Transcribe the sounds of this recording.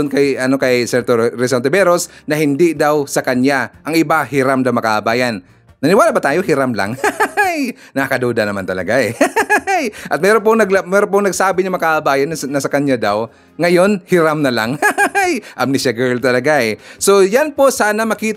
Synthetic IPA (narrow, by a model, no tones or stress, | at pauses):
ʊnkɐjʔɐno̞kɐjsɛɾt̪oɾɛs̬ant̪ɛbɛɾosnɐhɪnd̪ɪd̪awsɐkɐnjaʔɐŋʔɪbahɪɾamd̪awmɐka̰ʔɐbaːjɐnː | ɐnɪwaːlabɐt̪aːjohɪɾamla̰ŋjnɐakɐd̪uːd̪ɐnɐmant̪ɐlɐ̰ɡaʔɛ | jʔɐt̪̚mɛːɾop̬oŋnɐɡ̚ɐmɛːɾop̬oŋnɐɡ̚saːbɪnɐmɐkaʔɐbaːjɐnɐnɐsɐkɐɲjad̪aw | ŋɐjo̞nhɪɾamnɐlaŋjʔɐmnɪʃaɡɛɹlt̪ɐlɐɡaʔɛso̞janposaːnɐmɐkiːt̪